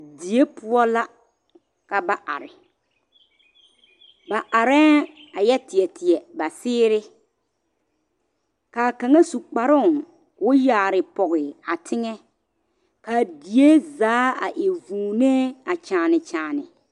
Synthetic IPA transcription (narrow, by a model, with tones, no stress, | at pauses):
di˨e˦pʊ˦ɔ˦la˦ | ka˨ba˨ʔa̰˨ɾɪ̰˨ | ba˨ʔa˨ɾɛː˦ | a˨jɛ˦tɪ˨ɛ˨tʰɪ˨ɛ˨ba˨sɪː˦ɾɪ˦ | ka˨ka˨ŋa˦su˨k͡pa˨ɾʊ˦˨ | wʊ˦jaː˨ɾɪ˨pɔ˨ɣɪ˨a˨tʰɪ˦ŋɛ˦ | ka˨di˨e˦zaː˨˦a̰˨ʔɪ˨vuː˨neː˦a˨t͡ʃaː˨nɪ˨t͡ʃaː˨nɪ˨